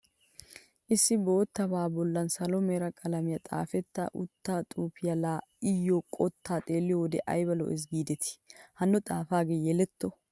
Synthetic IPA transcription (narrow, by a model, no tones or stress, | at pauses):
ʔɪsːɪbo̞ːt̪ːɐbaːbɔlːɐnsɐlɔmeːɾɐkʼɐlɐmɪjɐt̪ʼa̰ːfɛt̪ːɐ̰ʔʊ̰t̪ːat̪ʼuːpʰɪjɐlaːɪjːɔkʼɔt̪ːaːt̪ʼe̞ːlːɪjɔwɔd̪ɛʔɐ̰jbɐlɔ̰ʔɛs̬ɡiːd̪ɛt̪ɪ̥hɐnːɔt̪ʼaːfaːɡeːjɛlɛt̪ːɔ